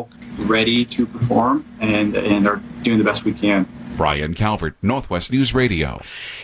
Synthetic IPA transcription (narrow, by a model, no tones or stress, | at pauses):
ɹɛɾiɾɨpʰə˞fɔɹmɨ̃nɨ̃nə˞d̥ʉɪ̃ŋðɨbɛst̚wikʰɨ̃nb̥ɹa̰ɪɨ̰̃nkʰælˠvə˞dnɔɹθwɛstnʉzɹeɪɾio̰ʊ